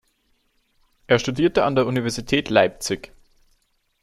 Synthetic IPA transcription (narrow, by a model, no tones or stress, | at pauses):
ʔeːɐʃtudiːɐtəandeːɐʔunivɛɐzitʰɛːtlaɪp̚t͡sɪç